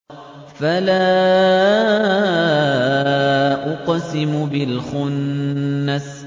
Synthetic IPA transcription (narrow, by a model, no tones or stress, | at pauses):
falaː | ʔʊqsɪmʊbɪlxʊnː | as